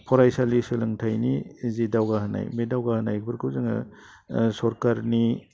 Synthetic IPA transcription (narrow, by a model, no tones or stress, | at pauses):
pʰɔɾajsalisɯlɯŋtʰajnizidawɡahɯna̰jmedawɡahɯnajkʰbɯɾkʰɯwzɯŋa̰ | sɔɾkaɾni